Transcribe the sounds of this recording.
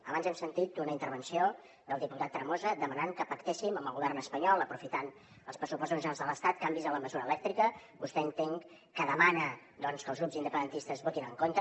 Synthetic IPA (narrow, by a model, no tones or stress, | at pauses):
əβanzɛmsənt̪it̪̚unəint̪əɾβ̞ənsio | d̪əlˠd̪iput̪at̪ːɾəmozəd̪əmənaŋkəpəkt̪esiməməlˠɣuβɛrnəspəɲɔlˠəpɾufit̪an | əlˠspɾəsupɔst̪ozʒənalzðələst̪at̪̚kambizələməzuɾəːlɛk̚t̪ɾikə | bust̪ɛənt̪eŋ | kəðəmanə | d̪ɔnskəːlˠɣɾupzind̪əpənd̪ənt̪ist̪əzβot̪inəŋkont̪ə